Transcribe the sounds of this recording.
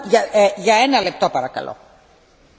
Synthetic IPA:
ʝɐʝɐe̞nɐle̞p̚t̪o̞pɐɾɐkɐ̰lo̰

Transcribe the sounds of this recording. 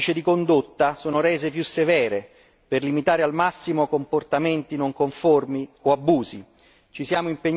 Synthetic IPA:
t͡ʃed̪ikond̪ot̪ːasoːnoɾɛːzepjusːevɛːɾe | perlimit̪aːɾealmasːimokomport̪ament̪inoŋkoɱformioabːuːzi | t͡ʃisjaːmoimpeɲː

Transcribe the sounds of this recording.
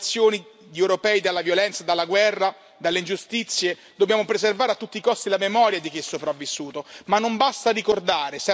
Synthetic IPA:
t̪sːjoːni | d̪iewɾopɛːid̪alːavjolɛnt̪sad̪alːaɡwɛrːa | d̪alːeind͡ʒust̪it̪sːje | d̪objaːmopɾezervaːɾeat̪ːut̪ːikɔst̪ilamemɔːɾjad̪ik̟iɛsːopɾavːisːuːt̪omanːombast̪arikord̪aːɾes

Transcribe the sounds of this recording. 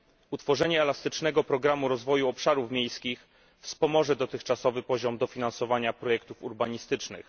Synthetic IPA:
ut̪fɔʐɛɲɛːlast̪ɘt͡ʂnɛɡɔpɾɔɡɾamuɾɔzvɔjuɔpʂaɾufmʲjejskʲix | fspɔmɔʐɛd̪ɔt̪ɘxt͡ʂasɔvɘpɔʑɔmd̪ɔfʲinansɔvaɲapɾɔjɛkt̪ufuɾbaɲist̪ɘt͡ʂnɘ̰x

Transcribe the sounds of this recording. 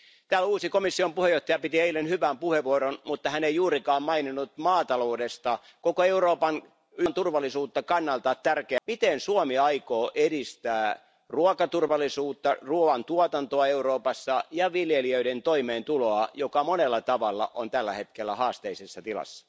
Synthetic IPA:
t̪æːluːsikomisːiompuhejoht̪ɑjɑpit̪ieilenhyʋæmpuheʋuoɾonmut̪ːɑhæneijuːrikɑːmmɑininːut̪mɑːt̪ɑlo̞ːdest̪ɑ | kokoeuroːpɑn | ynt̪urʋɑlːˑisuːt̪ːɑkɑnːɑlt̪ɑt̪t̪ːærkeæmit̪ensuomiɑikoːʔedist̪æː | ruɑkɑt̪urʋɑlːˑisuːt̪ːɑruʋɑnt̪uot̪ɑnt̪oɑeuɾoːpɑsːɑjɑʋiljeliøident̪oimeːnt̪uloɑjokɑmonelːɑt̪ɑʋɑlːɑ̰ʔont̪ælːæ̰he̞t̪kelːæhɑːst̪eisesːɑt̪ilɑ̰sːɑ̥

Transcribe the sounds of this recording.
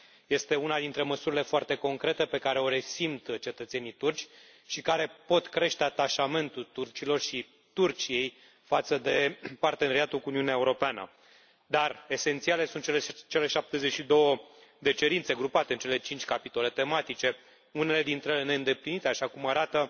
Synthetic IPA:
je̞st̪e̞unad̪int̪ɾe̞məsuɾile̞foart̪e̞ko̞ŋkɾe̞t̪e̞pe̞kaɾe̞o̞ɾe̞simt̪t͡ʃe̞t̪ət̪se̞nit̪urt͡ʃʲ | ʃikaɾe̞po̞t̪kɾe̞ʃt̪eat̪aʃame̞nt̪ut̪urt͡ʃilo̞rʃi | t̪urt͡ʃije̞j | fat̪səd̪e̞part̪e̞neɾiat̪ulkuniuneaeuɾo̞peanə̰ | d̪are̞se̞nt̪siale̞sunt̪t͡ʃelt͡ʃe̞le̞ʃap̚t̪e̞zet͡ʃʃid̪o̞wəd̪e̞t͡ʃe̞ɾint̪se̞ɡɾupat̪e̞ɨnt͡ʃe̞le̞t͡ʃint͡ʃʲkapit̪o̞le̞t̪e̞mat̪it͡ʃe̞ | une̞le̞d̪int̪ɾeelene̞ɨnd̪e̞plinit̪e̞aʃakumaɾat̪ə

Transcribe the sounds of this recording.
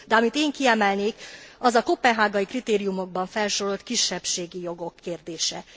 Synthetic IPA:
d̪ɛɒmit̪eːŋkiɛmɛlneːkɒzɒkopːɛnɦaːɡɒjikrit̪eːɾijumo̞ɡ̚bɒɱfɛlʃoɾo̞lt̪kiʃːɛpʃeːɡijo̞ɡo̞kʰːeːrd̪eːʃɛ

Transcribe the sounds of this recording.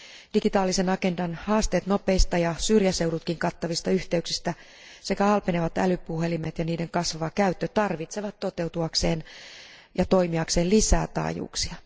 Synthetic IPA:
d̥iɡit̪ɑːlːisenɑke̞ndɑnhɑːst̪eːt̪nope̞ist̪ɑjɑsyrjæseuɾut̪kiŋkɑt̪ːɑʋist̪ɑyht̪eyksist̪æ | se̞kæɑlpeneʋɑt̪æ̰lypːuhe̞limet̪jɑniːdeŋkɑsʋɑʋɑkæyt̪ːøt̪ɑrʋit̪seʋɑt̪tːo̞t̪e̞wt̪uɑkse̞ːn | jɑt̪o̞imiɑkseːlisæ̰ːt̪ɑ̰ːjṵːksiɑ

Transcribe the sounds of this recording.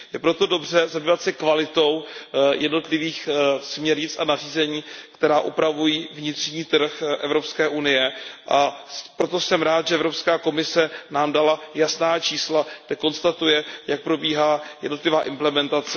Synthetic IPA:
jɛpɾot̪o̞do̞br̝ɛzabiːvat̪sɛkvalɪt̪o̞wjʔɛdno̞t̪lɪviːxsmɲɛɾɲɪt͡sanar̝iːzɛɲiːkt̪ɛɾaːʔupɾavujiːvɲɪt̪r̥ɲiːt̪r̩xʔɛ̰vɾo̞pskɛːʔunɪjɛʔapɾo̞t̪o̞sɛmɾaːt̪ʒɛɛvɾopskaːko̞mɪsɛnaːmdalajasnaːt͡ʃiːslaɡdɛko̞nst̪at̪ujɛjak̚pɾo̞biːɦaːjɛdno̞t̪lɪvaːʔɪmplɛmɛnt̪at͡sɛ

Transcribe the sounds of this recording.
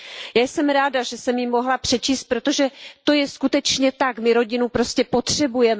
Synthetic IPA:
jaːjsɛmɾaːdaʒɛsɛmjimo̞ɦlapr̥ɛt͡ʃiːst̪̚pɾot̪o̞ʒɛt̪o̞jɛskut̪ɛt͡ʃɲɛt̪akmɪɾo̞ɟɪnupɾo̞scɛpo̞t̪r̝̥ɛbujɛmɛ

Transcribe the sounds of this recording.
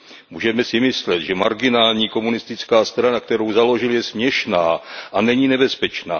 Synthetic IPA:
muːʒɛmɛsɪmɪslɛt̪ʒɛmaɾɡɪnaːlɲiːko̞munɪst̪ɪt͡skaːst̪ɾanakt̪ɛɾo̞wzalo̞ʒɪljɛsmɲɛʃnaːʔanɛɲiːnɛbɛspɛt͡ʃna̰ː

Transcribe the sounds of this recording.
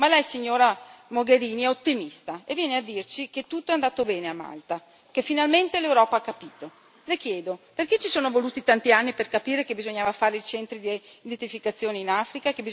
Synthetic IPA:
malɛjsiɲːoːɾamoɡeɾiːniɛot̪ːimist̪aḛvːjɛːnead̪ːirt͡ʃiket̪ːut̪ːoɛand̪aːt̪obɛːneama̰lt̪a | k̟efːinalment̪elewɾɔːpaakːapiːt̪o | lek̟jɛːd̪operket͡ʃisoːnovoluːt̪it̪ant̪ianːiperkapiːɾekebizoɲːaːvafaːɾeit͡ʃɛnt̪ɾid̪ | id̪ent̪ifikat̪sːjoːneinafɾikakebi

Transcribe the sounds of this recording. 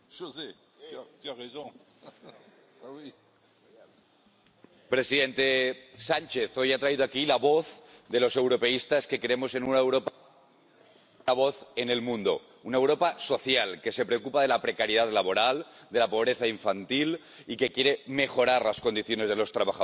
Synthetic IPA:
ʒoze | k̪aʁezõ | pɾe̞siðent̪e̞sant͡ʃe̞θo̞jat̪ɾaiðoakilaβoθd̪e̞lo̞se̞wɾo̞pe̞ist̪aske̞kɾeemo̞se̞nunaewɾopa | aβoθene̞lmũnd̪o̰ | unaewɾo̞paso̞θjalke̞se̞pɾeokupað̞e̞lapɾe̞kaɾjeðaðlaβ̞o̞ɾald̪e̞lapo̞β̞ɾe̞θaiɱfant̪il | ike̞kje̞ɾeme̞xo̞ɾaɾlasko̞nd̪iθjo̞ne̞zð̞e̞lo̞st̪ɾaβaxa

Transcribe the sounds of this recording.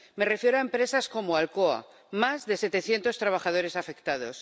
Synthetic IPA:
me̞re̞fje̞ɾoaempɾe̞sasko̞moalkoa̰ | mazðe̞se̞t̪e̞θje̞nt̪o̞st̪ɾaβ̞axað̞o̞ɾe̞safe̞kt̪að̞o̞s

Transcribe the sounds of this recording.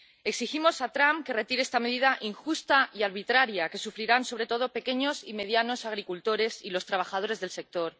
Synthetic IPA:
e̞ksiximo̞sat̪ɾampke̞re̞t̪iɾeest̪ame̞ðiðaʔiŋxust̪aiaɾβit̪ɾaɾjake̞sufɾiɾanso̞β̞ɾe̞t̪o̞ð̞o̞pe̞ke̞ɲo̞sime̞ð̞jano̞saɣ̞ɾikult̪o̞ɾe̞silo̞st̪ɾaβ̞axaðo̞ɾe̞zðe̞lse̞k̚t̪o̞ɾ

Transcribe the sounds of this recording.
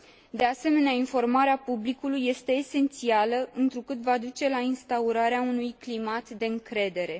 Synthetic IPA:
d̪e̞ase̞me̞neainfo̞rmaɾeapublikulujːe̞st̪e̞ːse̞nt̪sialəʔɨnt̪ɾukɨt̪vad̪ut͡ʃe̞lainst̪auɾaɾeaunujklimat̪d̪e̞ɨŋkɾe̞d̪e̞ɾe̞

